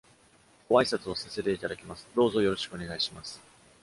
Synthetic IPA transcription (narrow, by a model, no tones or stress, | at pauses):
ɡ̥oaisat͡sɨo̞sase̞t̪e̞it̪ad̪akʲimasɨ̥d̪o̞ːzo̞jo̞ɾo̞ɕi̥kɯ̟o̞ne̞ɡaiɕimasɨ̥